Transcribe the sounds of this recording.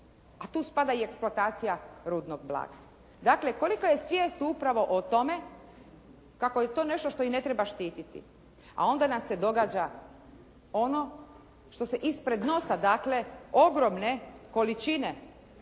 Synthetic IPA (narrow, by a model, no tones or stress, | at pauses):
at̪uːspad̪aie̞ksploat̪aːt̪sijaɾuːd̪noɡ̚blˠa̰ːɡa | d̪akle̞ko̞likoje̞sʋʲjeːst̪upɾaʋo̞ʔot̪o̞me̞ | kako̞jet̪o̞ːne̞ʃt̪o̞ʃt̪o̞ine̞t̪ɾebaʃt̪iːt̪it̪ḭ | a̰o̞nd̪anamse̞d̪o̞ɡaːd͡ʒa | ono̞ | ʃt̪o̞se̞ʔispɾe̞d̪no̞sad̪aːkle̞o̞ɡɾo̞mne̞ko̞lit͡ʃine̞